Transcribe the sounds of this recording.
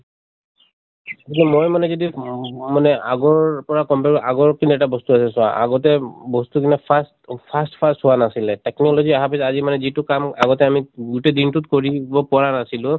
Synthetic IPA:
tikɛmojmanɛzodimanɛaɡɔɹpɔɹakɔmpɛɹʔaɡɔɹkinuɛtabɔstuasɛsʊaʔa̰ɡɔtɛbɔstukinɛpʰastpʰastpʰassʊwanasilɛtɛknɔlɔziaɦapisazimanɛzitʊkamaɡɔtɛamiɡutɛdintʊtkoɹibɔpɔɹanasilʊ̃

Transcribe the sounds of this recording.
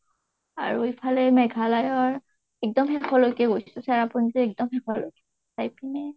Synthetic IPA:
aɹuejpʰalɛmɛɡʱalajɔɹ | ɛk̚dɔmhɛkʰɔlojkɛɡojsʊsaɹapunizɛɛk̚dɔmhɛkʰɔlojkɛ | sajpinɛ

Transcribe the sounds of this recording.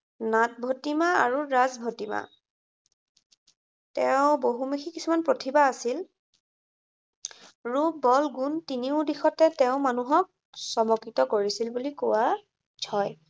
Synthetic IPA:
nat̚bʱotimaa̰ɹuɹazbʱotima̰ | tɛʊ̃boɦumixikisumanpɹotʰibaːsil | ɹubɔlɡuntiniʊdixɔtɛtɛʊ̃manuɦɔk̚ | sɔmɔkitɔkoɹisilbulikowa | d͡ʒʰʱɔj

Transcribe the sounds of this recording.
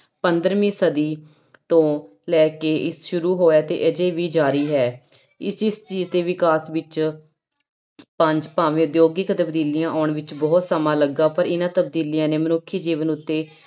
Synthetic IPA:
pənd̪əɾmĩːsəd̪iː | t̪õː | lɛːkeːʔɪsʃʊɾuːɦoːaːt̪ḛːʔəd͡ʒeːʋiːd͡ʒaːɾiːɦɛː | ɪsɪst͡ʃiːzt̪eːʋɪkaːsʋɪt͡ʃ | pəɲd͡ʒpaːʋẽːd̪joːɡiːkt̪əbd̪iːlɪjãːʔaːɳʋɪt͡ʃbɔːt̪səmãːləɡːaːpəɾɪnãːt̪əb̚d̪iːlɪjãːneːmənʊkʰːiːd͡ʒiːʋənʊt̪ːeː

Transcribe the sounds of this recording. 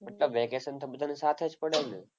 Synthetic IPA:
məʈləbʋekesənt̪ʰobəd̪ʱanisat̪ʰed͡ʒpəɽelne

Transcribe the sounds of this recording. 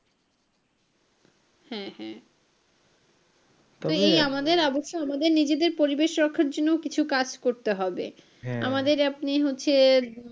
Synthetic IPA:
hɛ̃hɛ̃ | t̪oejamad̪eɾɔboʃːoamad̪eɾnid͡ʑed̪eɾpoɾibeʃɾɔkʰːaɾd͡ʑonːookit͡ɕʰukad͡ʑkoɾt̪eɦɔbḛ | amad̪eɾapniɦotːɕʰe

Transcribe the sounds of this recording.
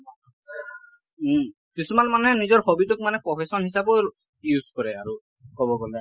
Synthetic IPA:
kisumanmanɛɦɛnizɔɹxobitʊk̚manɛpɹɔpʰesɔnhisabɔ | juzkɔɹɛaɹu | kɔbɔɡɔlɛ

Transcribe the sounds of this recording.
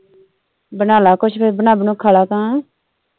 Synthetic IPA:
bənaːlaːkʊt͡ʃʰpʰeːɾbənaːbnũːkʰalaːt̪ãː

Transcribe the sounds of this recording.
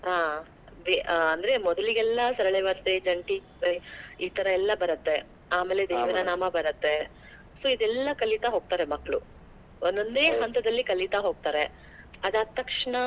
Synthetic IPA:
ɦaː | ʋeɐnd̪ɐɾe̞mɔd̪ɐliɡɛlːɐsɐɾɐɭeːʋaːst̪ed͡ʒɐɳʈi | bɐiːt̪ɐɾɐɛlːɐbɐɾɐt̪ːe̞ | aːmeːled̪eːʋɐnɐnaːmɐbɐɾɐt̪ːe̞ | soːid̪ɛlːɐkɐlit̪aɦo̞ːɡ̚t̪aːɾe̞mɐkːɐɭu | ond̪ond̪e̞ːɦɐnt̪ɐd̪ɐlːikɐlit̪aɦo̞ːɡ̚t̪aːɾe̞ | ɐd̪ɐt̪ːɐkʂɐɳɐ

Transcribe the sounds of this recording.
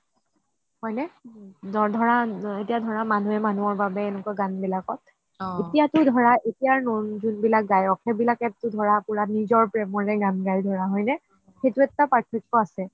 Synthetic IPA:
hɔjnɛdɔdʱɔɹaetijadʱɔɹamanuɛmanuɔɹbabɛːnɛkɔɡanbilakɔt̚ | etijatʊdʱɔɹaʔetijaɹnɔnzunbilak̚ɡajɔkʰɛbilakɛtʊdʱɔɹapʊɹanizɔɹpɹɛmɔɹɛɡanɡaɹidʱɔɹaɦɔjnɛ | xetuɛttapaɹtʰikːɔasɛ

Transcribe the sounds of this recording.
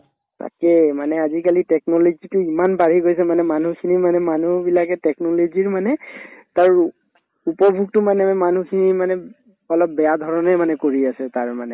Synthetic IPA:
ta̰kɛmanɛazikalitɛk̚nɔlɔzitʊimanbaɹiɡojsɛmanɛmanukʰinimanɛmanubilakɛtɛknɔloziɹmanɛtaɹ | upɔbʱuk̚tʊmanɛman̤ukʰinimanɛ | ɔlɔp̚bɛjadʱɔɹɔnɛmanɛkoɹiasɛtaɹmanɛ

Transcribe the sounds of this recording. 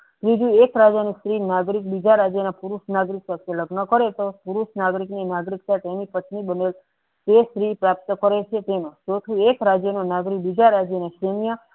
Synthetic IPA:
t̪ɾid͡ʒũekɾad͡ʒanist̪ɾinaɡɾik̚bid͡ʒaɾad͡ʒjənapuɾuʃnaɡɾiksat̪ʰeləɡnəkəɾet̪opuɾuʃnaɡɾikninaɡɾikt̪aʈ̪enipət̪nibənel | t̪esɾipɾap̚t̪əkəɾet͡ʃʰet̪enot͡ʃot̪ʰũekɾad͡ʒjənonaɡɾibid͡ʒaɾad͡ʒjəneʃɾemjə

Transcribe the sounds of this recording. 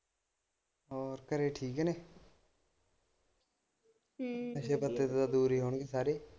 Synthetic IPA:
ɔːɾkəɾeːʈʰiːkɦɛneː | əʃeːpət̪ːeːt̪ːd̪aːd̪uːɾiːɦoːɳɡiːsaːɾiː

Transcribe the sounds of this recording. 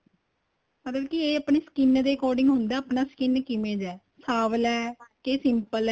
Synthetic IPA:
mət̪ləbkieːəpneːsə̥kɪnd̪eːkoːɖɪŋɡɦʊnd̪aːəpnaːsə̥kɪnkɪmẽːd͡ʒɛː | saːʋlɛːkeːsɪmpəlɛ

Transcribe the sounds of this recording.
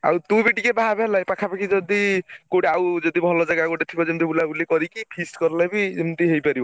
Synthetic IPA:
a̰wt̪ubiʈikebaɦabʱelajpakʰapakʰid͡ʒɔd̪ikoʈawd͡ʒɔd̪ibʱɔlɔd͡ʒaɡakoʈet̪ʰibɔd͡ʒemt̪̬iulaulekɔɾikipʰiskɔɾlajbiemt̪iɦejpaɾiba

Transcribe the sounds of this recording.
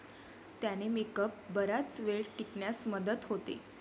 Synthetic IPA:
t̪janemekəp̚bəɾat͡sʋeɭʈikɳjasməd̪ət̪ɦot̪ḛ

